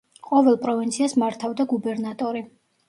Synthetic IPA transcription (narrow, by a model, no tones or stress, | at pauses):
qʼɔvɛlˠpʼɾɔvint̪sʰiasmaɾt̪ʰavd̪aɡubɛɾnat̪ʼɔɾi